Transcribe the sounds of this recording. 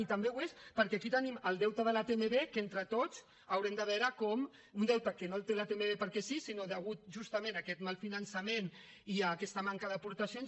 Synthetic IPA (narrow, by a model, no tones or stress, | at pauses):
it̪əmbewespəɾkɛakit̪əniməlˠd̪ɛwt̪aðəlat̪emeβekent̪ɾət̪oz | awɾɛmd̪əβ̞ɛɾəkɔm | und̪ɛwt̪akenolˠt̪elat̪emeβepəɾkɛsisinoðəɣ̞ut̪̚ʒust̪amẽnakɛt̪malˠfinənsɐmen | iakɛst̪əmaŋkaðəpuɾt̪asjon